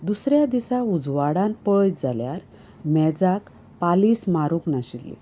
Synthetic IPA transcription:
d̪usɾjad̪isaud͡zʋaɽanpəjd͡zaljaɾ | mɛd͡zak | palismaɾuknaɕilːḭ

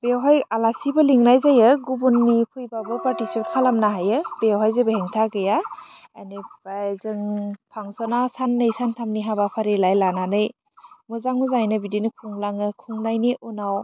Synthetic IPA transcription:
b̥ewɦajalasibɯliŋnajzajɯɡubunːipʰujbabɯpaɾtisipt̚kʰalamnaɦajɯbewɦajzebeheŋtʰaɡɯja | a̰jnɯb̥ajzɯŋpʰaŋsɔnasanːɯjsantʰamniɦabapʰaɾelajlananɯj | muzaŋuzajnɯbidinikʰuŋlaŋɯkʰuŋlajniʔunaw

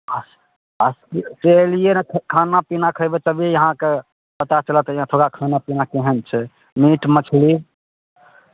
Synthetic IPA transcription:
əs | əsit͡ʃelijenkʰkʰanapinakʰəjbet̪əbʱiejəɦãke | pət̪at͡ʃələt̪jãt̪ʰoɡakʰanapinakeɦənt͡ʃʰɛ | miʈmət͡ʃʰli

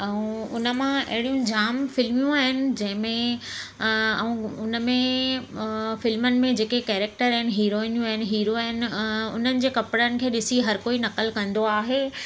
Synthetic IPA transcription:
ɛ̃ũʊnə̆mãɐ̰ɦɪɽijũd͡ʑaːmfɪlmijũaːɦɪnɪ̆d͡ʑɐ̃ɦɪ̃mẽ | ɛ̃ũʊnə̆mẽ | fɪlmənɪ̆mẽd͡ʑeːkekɛːɾɛːk̚ʈəɾɦɪnɪ̆ɦiːɾoːɪ̃njũaːɦɪnɪ̆ɦiːɾoaːɦɪnɪ̆ʊ̰n̤ənɪ̆d͡ʑeːkɐpɽənɪ̆kʰeːɗɪsiɦɐɾkoːinɐkəlkɐ̃nd̪oaːɦeː

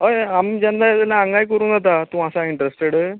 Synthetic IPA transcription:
ɦəjamd͡ʑand̪ajat̪alaãŋɡajkəɾũːnd͡zat̪at̪ũasaiɳʈɾesʈeɽə

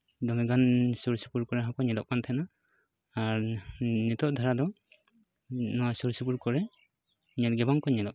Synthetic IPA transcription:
d̪ɔmiɡansuɾsipuɾkɔɾɛɦɔkɔɲɛdɔʔkant̪ʰɛna | aɾnit̪ɔʔd̪ʱaɾad̪ɔ | nɔwasuɾsupuɾkɔɾɛ | ɲɔt̪̚ɡɛbaŋkɔɲɛdɔʔ̚

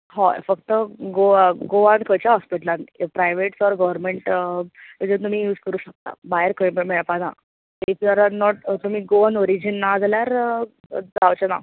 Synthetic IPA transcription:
ɦɔ̰fəkt̪əɡoɡoãnkʰət͡ɕjaɦɔspiʈəlãnpɾajʋeʈsɔɾɡəʋəɾmeɳʈməd͡ʑet̪̬um̤iːjuːd͡zkəɾuːɕək̚t̪a̰baeɾkəmmeɭpana̰ | ifjɔɾanɔʈt̪um̤iːɡoɔnoɾid͡ʑənːad͡zaljaɾ | d͡zawt͡ɕəna̰

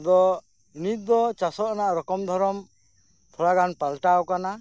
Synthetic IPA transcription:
d̪ɔ | init̪̚d̪ɔt͡ʃasɔʔɔnaʔɾɔkɔmd̪ʱɔɾɔm | t̪ʰɔlaɡanpalʈawkana

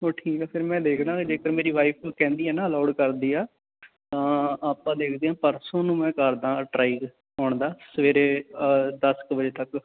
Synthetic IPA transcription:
oːʈʰiːkɛːpʰɪɾmɛ̃ːd̪eːkʰd̪ãːkd͡ʒeːkəɾmeːɾiːʋaːipʰkɛ̃ːnd̪iːɦɛːnaːəlaːɖkəɾd̪iːaː | t̪ãːaːpãːd̪eːkʰd̪eːãːpəɾsõːnũːmɛ̃ːkəɾd̪ãːʈɾaːɪɡ | ɦoːɳd̪aːsəʋeːɾeːd̪əskbəd͡ʒeːt̪ək

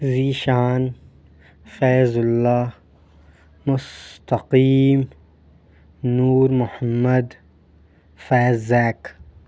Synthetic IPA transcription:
ziːʃaːn | feːzʊlːaː | mʊst̪aqiːm | nuːɾmʊħamːad̪ | faːzaːk

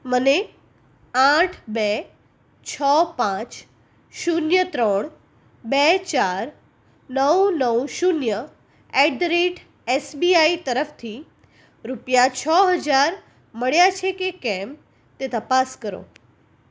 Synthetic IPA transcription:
məne | ãʈʰbɛ | t͡ɕʰɔpãt͡ɕ | ʃunjət̪ɾɔːɽ̃ | bɛt͡ɕaːɾ | nəwnəʋʃunjə | eɖɾeʈʰ | esbiːaːit̪əɾəft̪ʰi | ɾʊpjat͡ɕʰɔɦəd͡ʑaɾ | məɽjat͡ʃʰekekɛ̃m | t̪et̪əpaskəɾo̰

